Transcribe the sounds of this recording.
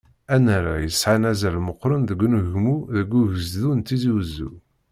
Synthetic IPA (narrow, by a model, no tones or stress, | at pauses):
ænəɾa̰jəsʕanæzælməqːɾˤənðəɡʷːnuɣmuðəɡːuʝəzðunt̪ːiziwzːṵ